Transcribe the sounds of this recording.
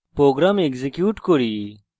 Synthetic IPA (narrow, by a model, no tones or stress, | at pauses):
pɾoːɡɾaːmekzekjuːʈkoɾiː